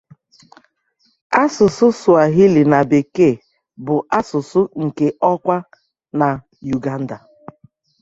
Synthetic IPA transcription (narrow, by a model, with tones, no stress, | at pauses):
a˦sʊ˨sʊ˦sʊ˨a˨ɦi˦li˨na˨be˨ke˦˨ | bʊ˨ʔa˦sʊ˨sʊ˦ŋ̩˨ke˦ʔɔ˦kʷa˦ | na˨ | ju˨ɡa˦n̩˦da˨